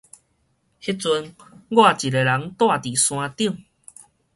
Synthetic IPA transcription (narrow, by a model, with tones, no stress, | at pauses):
hi˦˥t͡su˧nɡwa˥˧˨t͡ɕi˨e˨˧la˨˦ŋt̪wa˥˧˨t̪i˨˩sw̃ã˧t̪i˥˧əŋ